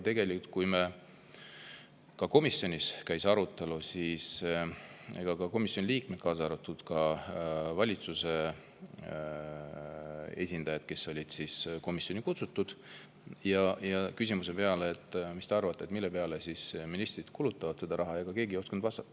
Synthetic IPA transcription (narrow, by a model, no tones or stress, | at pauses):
t̪e̞ɡe̞likult̪̚kujme | kɑko̞misːjo̞nʲiskæjsɑɾut̪ːˑe̞lusiːs | eɡ̥ɑkɑko̞misjoliːkmet̪̚kɑːsɑɾut̪ːˑud̪̥kɑ | vɑlʲit̪suse̞ | e̞̰sʲind̪̥ɑjɑd̪̥̚ke̞so̞lʲid̪̥sisko̞misːo̞nikut̪sut̪ːud̪̥ | jɑjɑkys̬ʲimus̬e̞pe̞ɑleːt̪ːˑmist̪eɑrvɑt̪ˑːet̪milːe̞pe̞ɑlesisminist̪rid̪̥kulut̪ːɑvɑd̪̥se̞d̪ɑɾʔɑɦɑjɑɡ̥ɑke̞ːɡijo̞skɑnd̪vɑst̪ɑt̪ːˑ